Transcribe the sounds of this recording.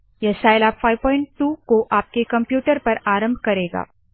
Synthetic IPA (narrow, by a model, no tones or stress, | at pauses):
jɐsaːjlaːpfaːɪʋpɔːɪ̃ɳʈ̚ʈuːkoʔaːp̚kekɐ̃mpjuːʈəɾpɐɾaːɾə̃mbʱkɐɾeːɡa̰ː